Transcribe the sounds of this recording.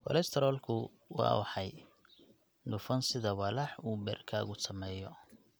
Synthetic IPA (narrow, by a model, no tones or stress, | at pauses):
kɔ̰lɛst̪ʰɛɾɔlkʰʊ | wɑ̰ːwʊħɑj | nʊfɐnsɪðɐwɐlɐħuːbɛ̰ːrkʰaːɣʊsɐmɛːjɔ